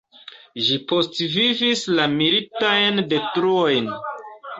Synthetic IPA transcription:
ʒipo̞stvivislamilitajnde̞tɾuojn

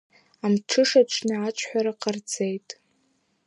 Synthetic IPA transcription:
amʈ͡ʂʰɨʂaʈ͡ʂʷʰnaat͡ʃʷʼʰħʷᶣaɾaqʼard͡zejtʼ

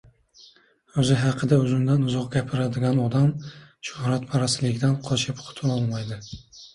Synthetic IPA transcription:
ɵzɪɦɑqʰɨd̪aɵzɪmd̪anʊzɒqɡʲapʰɪɾad̪ɪɡʲanɒd̪amʃʊhɾat̪pʰaɾasɪlɪɡʲɪd̪anqʰɒt͡ʃʰɪpqʰʊ̥t̪ʰɪnɒlˠmajd̪ɪ

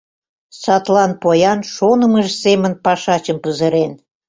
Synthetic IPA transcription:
sɑt̪lɑnpojɑnʃonə̆məʒsemənpɑʃɑt͡ɕəmpəzə̆ɾen

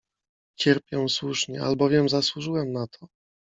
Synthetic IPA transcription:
t͡ɕɛɾpʲjɛw̃swuʂɲɛa̰lbɔvʲjɛmzaswuʐɘwɛmnat̪ʰɔ̥

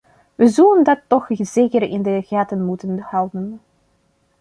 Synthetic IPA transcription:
ʋəzɔləndɑtːɔxzeːkərɪ̰ndəɣaːtənmutənhɑlˠdən

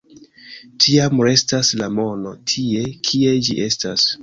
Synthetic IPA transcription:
tʰiamɾe̞staslamo̞no̞tʰie̞kʰie̞d͡ʒḭʔe̞stas

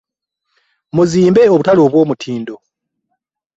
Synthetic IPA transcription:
muziːmbe̞oβutalo̞ːβwo̞ːmutʰiːndo̞

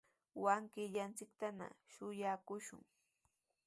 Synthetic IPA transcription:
waŋkɪʎant͡sɪkt̪ana̰ʃʊjakʊʃʊ̰ŋ

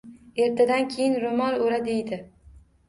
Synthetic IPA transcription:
e̞ɾt̪ʰad̪ankʲʰejɪnɾomɒɾoɾad̪e̞jd̪ɪ

